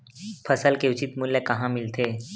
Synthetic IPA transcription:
pʰɐsəlkeʊt͡ʃɪt̪mʊlːəkɐɦãmɪlt̪ʰeː

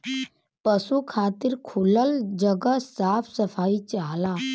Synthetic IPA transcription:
pəsukʰat̪iːɾkʰuləld͡ʑəɡəsafʰsəfait͡ɕaɦla

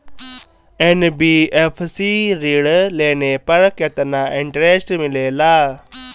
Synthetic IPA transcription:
enbiːeːpʰsiɾiːɽleːnepɐɾket̪naːʔiɳʈɾeːsʈmileːlaː

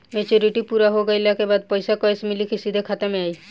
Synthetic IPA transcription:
meːt͡ʃoɾiʈipuːɾaɦoɡɐɪlakebaːd̪̚pəɪsakɔsmɪlikisid̪ʱekʰaːt̪emẽaːiː

